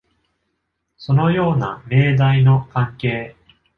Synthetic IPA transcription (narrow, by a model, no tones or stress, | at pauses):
so̞no̞jo̞ːna̰me̞ːd̪aino̞kãŋke̞ː